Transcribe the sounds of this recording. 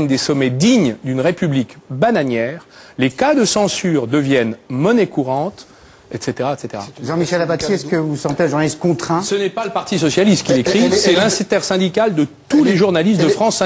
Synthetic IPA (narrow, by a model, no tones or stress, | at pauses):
ɲd̪esɔmɛd̪iɲd̪ynʁepyblikbanaɲjɛːʁlekad̪əsɑ̃syʁd̪əvjɛnmɔnɛkuʁɑ̃t̪ | ɛt̪set̪eʁaɛt̪set̪eʁa̰ʒɑ̃miʃɛlapat̪iɛskəvusɑ̃t̪eə̃ʒuʁnalist̪̚kɔ̃t̪χɛ̃sənɛpaləpaʁt̪isɔsjalist̪̚kilekχisɛlɛ̃st̪ɛʁsɛ̃d̪ikald̪ət̪uleʒuʁnalist̪d̪əfχɑ̃sːɛ̃